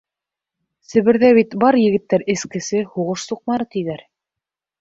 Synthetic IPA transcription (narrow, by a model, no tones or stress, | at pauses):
sɘ̆βɘ̆ɾðæβit̪bɑɾjɘ̆ɡɘ̆t̪ːæɾɘ̆skɘ̆sɘhuʁɤʃsuq̚mɑɾɤt̪iðæɾ